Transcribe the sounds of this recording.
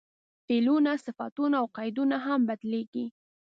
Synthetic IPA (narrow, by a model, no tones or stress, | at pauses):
felunasɪfɑ̰t̪unaːwqɑjd̪unaɦambad̪leɡi